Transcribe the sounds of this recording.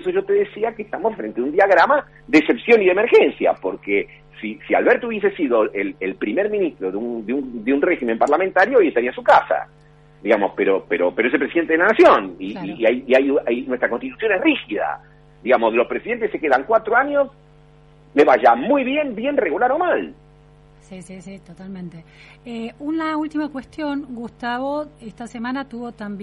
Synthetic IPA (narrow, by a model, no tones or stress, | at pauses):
soʒo̞t̪e̞ðesiakeːst̪amosfɾent̪eaund̪iaɣɾama | ðeːse̞psjo̞niðemeɾxensja̰poɾke | sisia̰lβeɾt̪ouβjes̬esiðoelelpɾimeɾmĩnist̪ɾoðeud̪eund̪eunreximempaɾlament̪aɾjoajest̪aɾiansukasa̰ | d̪iɣamospeɾopeɾopeɾoesepɾesiðent̪eðelanasjoniajiajnwest̪ɾakonst̪it̪usjo̞nesrixiða̰ | d̪iɣamoslospɾesiðe̞nt̪esːekeðaŋkwat̪ɾoaɲos | leβaʒamujβje̞mbje̞nreɣulaɾo̞mal | sisisit̪ot̪almẽnt̪e | eunlault̪imakwest̪jo̞nɡust̪aβoest̪asemãnat̪uβot̪amb